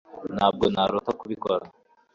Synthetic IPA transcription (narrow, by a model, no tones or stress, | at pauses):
naːb̚ɡonaɾot̪akuβikoɾa